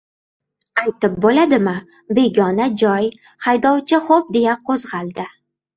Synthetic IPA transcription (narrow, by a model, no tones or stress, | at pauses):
ajt̪ɪp̚bolad̪ɪma | be̞ɡʲɒnad͡ʒɒj | χajd̪ɒwt͡ʃʰɪχop̚d̪e̞jaqʰozʁɑlˠd̪ɪ